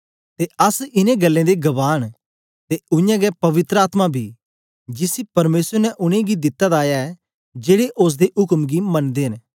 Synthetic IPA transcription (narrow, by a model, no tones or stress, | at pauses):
t̪eɐsɪnẽɡɐlːẽd̪eɡɐʋaːɽ̃ | t̪eʊjãɡɛpɐʋɪt̪ɾəaːt̪mabʱi | d͡ʒɪsipɐɾmeːsəɾnɛʔʊɽ̃ẽɡid̪ɪt̪ːad̪aːjaɛ | d͡ʒeːɽeʔos̬d̪eʔʊkmɡimɐnd̪eːɦn